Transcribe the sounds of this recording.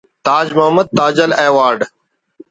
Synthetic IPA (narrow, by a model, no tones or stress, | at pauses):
t̪aːd͡ʒməɦəməd̪̚t̪ːaːd͡ʒəleːʋaːɾɖ